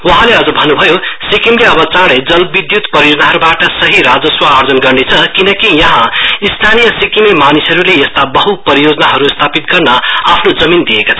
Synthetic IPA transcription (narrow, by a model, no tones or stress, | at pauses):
wʌɦãleʌd͡zʌbʱʌnːubʱʌjosikimleʌbʌt͡sãɽed͡zʌlbid̪jut̪pʌɾiod͡zʌnaɦʌɾubaʈʌsʌɦiɾad͡zʌswaːrd͡zʌnɡʌrnet͡sʰʌkinʌkijʌɦãist̪ʰanijʌsikimimanisʌɾuleest̪abʌɦupʌɾijod͡zʌnaɦʌɾust̪ʰapit̪ɡʌrnʌapʰnod͡zʌmind̪ijekat͡sʰʌ